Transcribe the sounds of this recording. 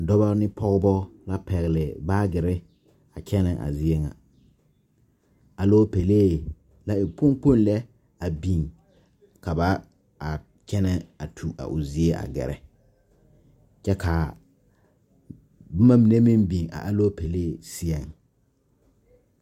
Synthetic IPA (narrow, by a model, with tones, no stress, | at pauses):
dɔ˦ba˦nɪ˦pʰɔ˦ɣbɔ˦la˦pɛ˨ɣɪ˨lɪ˨baː˦ɡɪ˨ɾɪ˦ | a˨kʰɛ˦nɛ˨ʔa̰˨zi˦e˦ŋa̰˨ | a˨loː˦pe˨leː˦˨ | la˦ɪ˨pʊ˦ŋk͡po˦n˦lɛ˦ | a˨bi˨ŋ | ka˨ba˦ | a˨ | t͡ʃɛ˦nɛ˦a˨tʰu˨a̰˨ʔʊ˨zi˦e˦ʔa̰˨ɡɛ̰˨ɾɛ̰˨ | t͡ʃɛ˦ka˨ | bʊ˦ma˦mi˨ne˦mĩ˦mbi˨ŋa̰˨ʔa˦lo˦pe˨leː˦˨si˦ɛ˨ŋ